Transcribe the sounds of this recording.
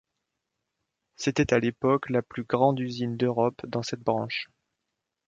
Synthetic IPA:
set̪ɛt̪alepɔklaplyɡʁɑ̃d̪yzind̪øʁɔpd̪ɑ̃sɛt̪̚bʁɑ̃ʃ

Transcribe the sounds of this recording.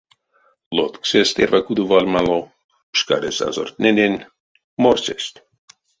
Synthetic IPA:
lot̪ksest̪ervakud̪uvalʲmalˠo | pʃka̰ɾesa̰zo̰rt̪nenʲenʲ | moɾsest̪ʲ

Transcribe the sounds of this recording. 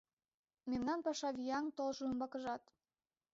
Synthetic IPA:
memnɑnpɑʃɑβijɑŋt̪olʒoəmbɑkə̆ʒɑt̪

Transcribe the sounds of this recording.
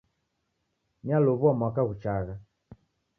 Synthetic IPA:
nialɔβuamwakaɣut͡ʃaɣa

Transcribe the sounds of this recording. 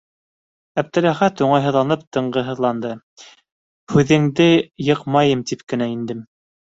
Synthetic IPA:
æb̚d̪ɘ̆ɾæχæt̪uɴɑjɦɤ̆ðlˠɑnɤp̚t̪ɤ̆ɴɢɤɦɤ̆ðlˠɑnd̪ɤ | hʉðɘ̆ŋd̪ɘjɤqmɑjɤmt̪ipkɘ̆næind̪ɘm

